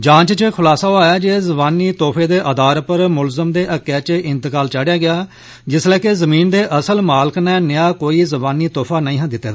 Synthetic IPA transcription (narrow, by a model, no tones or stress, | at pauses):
d͡ʒãːt͡ʃt͡ʃkʰʊlaːsaːoaːjaːd͡ʒeːzəbaːnːiːt̪oːpʰeːd̪eːʔəd̪aːɾpəɾmʊlzəmd̪eːʔəkːɛːt͡ʃʔɪnt̪ɪkaːlt͡ʃaːɖjaːɡɪjaː | d͡ʒɪslɛːkezəmiːnd̪eːʔəsəlmaːlɪknɛ̃ːnɪjaːkoːiːzəbaːniːt̪oːpʰaːnəĩːɦãːd̪ɪt̪ːeː